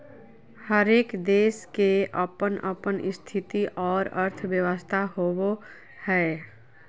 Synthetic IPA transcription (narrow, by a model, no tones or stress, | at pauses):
həɾeːkd̪eːskeʔəpənə̰pənɪst̪ʰɪt̪iʔɔːɾəɾt̪ʰʋjəʋəst̪ʰaɦoːwo | hɛː